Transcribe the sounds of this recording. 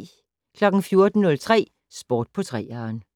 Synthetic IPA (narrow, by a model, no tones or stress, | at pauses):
kʰlɒ̽ɡ̥n̩fjo̝ɐd̥n̩nɔlt͡sʰʁɛ̰ː | sb̥oːd̥̚pʰɒ̽t͡sʰʁɛ̰ːɑːn